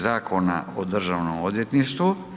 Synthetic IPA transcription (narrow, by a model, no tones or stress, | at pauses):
zaːkʰo̞na̰ʔod̪r̩ʒaʋnomo̞d̪jet̪niʃt̪ʋu